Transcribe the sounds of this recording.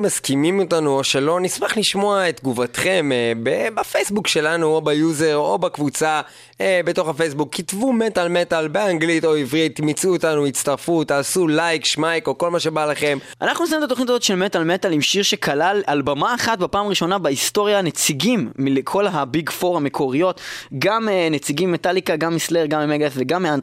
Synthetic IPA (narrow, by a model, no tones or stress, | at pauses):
maskimimotanuoʃe̞lo̞nismaχliʃmo̞aetɡuvatχe̞mbebafejsbukʃe̞lanuobajuze̞ʁo̞̰bakvut͡sa | ebeto̞χafejsbukːitvumetalmetalbeaŋɡlito̞ivʁit̪mit͡suotanuitt͡staʁfutaːsulajkʃmajkoko̞lmaʃe̞balaχe̞m | a̰naχnunesaimtat̪̬onitazo̞t̪ʃe̞lmetalmetalimʃiʁʃe̞kʰalalalbamaːχatbepaːmaʁiʃo̞nabeisto̞ʁjanet͡siɡimːilekʰo̞lɦabiɡfo̞ʁame̞kʰo̞ʁijo̞tɡamenet͡siɡimːetalikaɡamːisleʁɡamimeɡaefveɡamːian